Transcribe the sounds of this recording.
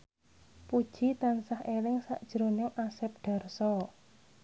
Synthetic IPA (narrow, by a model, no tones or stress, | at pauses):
pud̥ʒ̥i̤t̪ansahelɪŋsa̰ʔd̥ʒ̥əɾonɪŋʔasɛp̚ɖ̪̥a̤rsɔ